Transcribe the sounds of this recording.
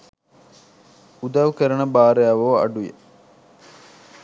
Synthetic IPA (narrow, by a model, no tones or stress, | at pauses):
ud̪ɐʋukɐɾɐnɐbaːɾejaːʋoːɐ̰ɖujḛ